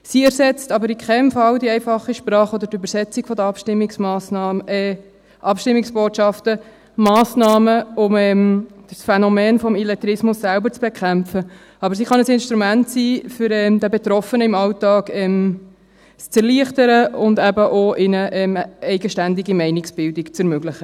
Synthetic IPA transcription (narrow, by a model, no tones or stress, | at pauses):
siɛɾsɛt͡stɑbəɾɪkʰχɛmfɑld̪iɛɪfɑχiʃpɾɑːχɔdəɾtøbəɾsɛt͡siɡ̥fɔd̪əɑpʃtɪmːɪksmɑːs | ʔɑpʃtɪmːɪksb̥oːtʃɑftə | mɑːsnɑːməʊmɛmd̥əsfɛnɔmɛːnfɔmilɛt̪ɾɪsmʊsːælbəɾt͡sb̥ekʰχæmfə | ɑbəɾsiχɑnəsɪnʃtɾumæntsiːfʏɾɛmd̪ɛbet̪ɾɔfənəɪmɑltɑːɡɛm | st͡sɛɾliəχtəɾəʊndæbəʔoʔɪnəʔɛmɛɪɡəʃtændɪɡimɛɪnɪksb̥ɪldɪkt͡sɛɾmøɡlɪχə